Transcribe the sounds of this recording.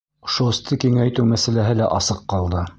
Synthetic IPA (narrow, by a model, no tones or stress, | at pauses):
ŏʃuɘ̆st̪ʰɘkiŋæjt̪ʉwmæsælæɦɘlæʔɑsɤqːɑlˠd̪ɤ